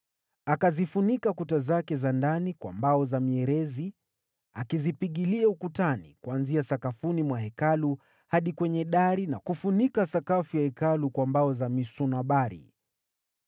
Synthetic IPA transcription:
akazifunikakutazakɛzandanikwa̰mbaɔzamiɛɾɛzi | akizipiɠiliaukutanḭkuwanziasakafunimwaɦɛkalu | haɗikwɛɲɛɗaɾinakufunikasakafujahɛkalukwambaɔzamisunaɓaɾḭ

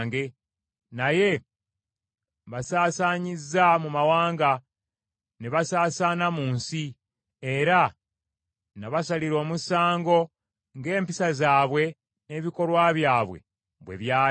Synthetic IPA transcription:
ŋɡe̞ | naje̞ | βasaːsaːɲizːamumawaːŋɡa | neβasaːsaːnamuːnsi | e̞ɾa | naβasaliɾo̞ːmusaːŋɡo̞ | ŋɡe̞ːmpisazaːβwe̞ | ne̞ːβiko̞lwaːβjaːβwe̞̰ | βwe̞̰βjaː

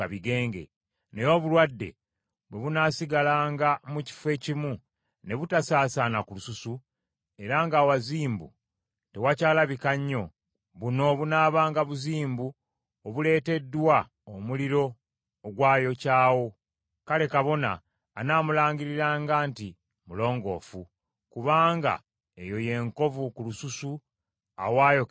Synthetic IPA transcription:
aβiɡe̞ːŋɡe̞̰ | ne̞jo̞βulwadːe̞̰ | βwe̞βunaːsiɡalaːŋɡamuci̥fwe̞cimu | ne̞βutasaːsaːnakulususu | e̞ɾaŋɡaːwaziːmbṵ | te̞wacaːlaβikaɲːo̞ | βuno̞βunaːβaːŋɡaβuziːmbu | oβule̞ːte̞dːwa | omuliɾo̞ː | ɡwaːjo̞caːwo̞ | kale̞kaβo̞na̰ː | naːmulaːɲɡiɾiɾaːŋɡaːnti | mulo̞ːŋɡo̞̰ːfu | kuβaːŋɡa̰ | e̞jo̞je̞ːŋko̞vukulususu | a̰waːjok

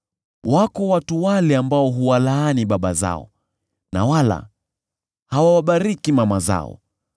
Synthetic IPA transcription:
wakɔwatuwalɛambaɔɦuwalaaniɓaɓaza̰ɔ̰ | na̰wala̰ | hawawaɓaɾikimamaza̰ɔ̰

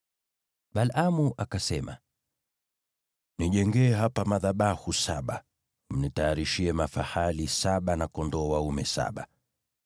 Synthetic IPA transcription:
ɓalamuʔakasɛma̰ | niʄɛŋɡɛːɦapamaðaɓahusaɓa | m̩nitajaɾiʃiɛmafahalisaɓanakɔndɔwaumɛsa̰ɓa

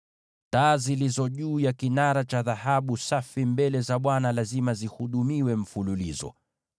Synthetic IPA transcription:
taːzilizɔʄuːjakinaɾat͡ʃaðahaɓusafimbɛlɛzaɓwanalazimazihuɗumiwɛm̩fululizɔ̰

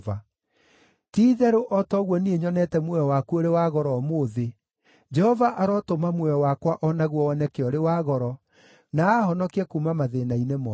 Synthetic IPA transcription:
va | tiːðɛɾoʔɔtɔɣwɔnieɲɔnɛtɛmwɛjɔwakuoɾewaɣɔɾɔːmoːðe | d͡ʒɛhɔvaʔaɾɔtomamwɛjɔwakwaʔɔnaɣwɔɔnɛkeɔɾewaɣɔɾɔ | naːhɔnɔkiɛkuːmamaðenainemɔ

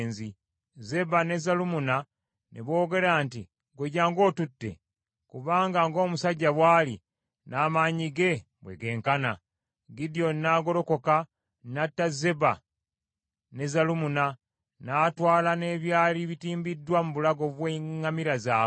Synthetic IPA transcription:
nzi | ze̞bane̞zalumuna | nʔeβo̞ːɡe̞ɾaːnti | ɡweɟaːŋɡo̞ːtutːe̞̰ | kuβaːŋɡaŋɡo̞ːmusaɟːaβwaːli | naːmaɲiɡe̞ | bwḛɡe̞ːŋkana̰ | ɡidio̞nnaːɡo̞ɾo̞ko̞ka | natːaze̞ba | ne̞zalumuna | naːtwaːlane̞ːβjaːliβitiːmbidːwamuβulaɡo̞βweŋːamiɾazaː

